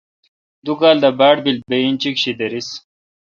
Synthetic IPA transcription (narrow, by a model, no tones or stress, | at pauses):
d̪ukaːld̪ɐbaːʈ̚bil̚beint͡ɕikɕid̪ɐɾis